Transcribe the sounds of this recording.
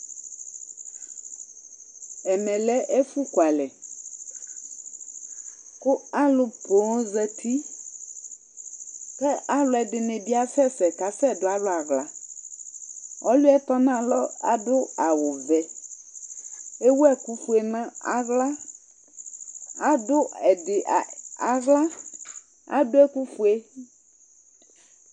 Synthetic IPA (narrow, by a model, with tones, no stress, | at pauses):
ɛ˨mɛ̃˨lɛ˦ʔe˦fu˦kwa˨lɛ˨ | kʊ˦a˦lʊ˨po˨˦zɛ˨t̪i˦ | fɛ˦ʔa˦lʊ˨ɛ˨ɖɪ˨nẽ˨bi˦a˦sɛ˦sɛ˨ka˨sɛ˦dʊ˦a˦lʊ˦a˨ɣla˨ | ɔ˦lu˦ɛ˦t̪ɔ˦nã˦lɔ˦a˨dʊ˦a˨wʊ˨vɛ˨ | e˦wo˦ɛ˦ku˦fu˨˦e˨nã˦a˨ɣla˦ | a˨dʊ˦ɛ˨dɪ˨a˨ɣla˦ | a̰˨˦dʊ˦ɛ˦ku˦fu˨e˦